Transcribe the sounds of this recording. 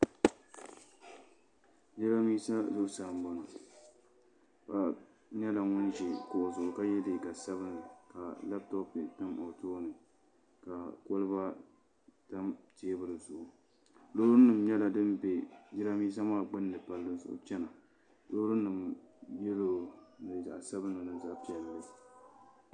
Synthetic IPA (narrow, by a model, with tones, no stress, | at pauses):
d͡ʒɪ˦ɾa˦miː˦sa˦zʊ˦ʔʊ˦saː˨m˨ba˦na˨ | ba˨ | ɲɛ˦la˨ŋʊ˦nd͡ʒi˨kʊ˨ʔʊ˨zʊ˨ʔʊ˨ka˦jɛ˦dɪ˨ka˨sa˦βɨ˦na˨ka˨la˦b̚tɔ˦pɪ˨tɨ˦mʔɔ˨toː˦nɨ˨ | ka˨ko˦lɨ˦ba˦ | ta˦mteː˦bɨ˦lɨ˨zʊ˨ʔʊ˨ | loː˦ɾʊ˦nɨ˨mɲɛ˦la˨dɨ˦mbe˨d͡ʒɪ˦ɾa˦miː˦s̬a˦maː˦˨ɡ͡bɨ˦nː˦ɨ˨pa˦lːɨ˦nzʊ̰˨ʔʊ̰˨˦t͡ʃɛ˦na˨ | lo˦ɾʊ˦nɨ˨mjɛ˦lo˨nɨ˨za˨sa˦bɨ˦nɨ˨nɨ˦za˦ʔpi˦ɛ˨lːa˨˦˨